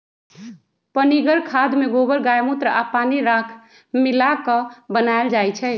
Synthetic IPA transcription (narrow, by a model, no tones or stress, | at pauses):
pəniɡəɾkʰad̪meɡobəɾɡajmut̪ɾəapaniɾakʰ | milakəbənaeld͡ʒajt͡ʃʰɛ